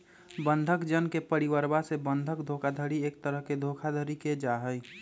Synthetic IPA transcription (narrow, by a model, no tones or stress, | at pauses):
bə̃nd̪ʱəkd͡ʒənkepəɾiwəɾbasebə̃nd̪ʱəkd̪ʱokʰad̪ʱəɾieːk̚t̪əɾəɦked̪ʱokʰad̪ʱəɾiked͡ʒaɦəj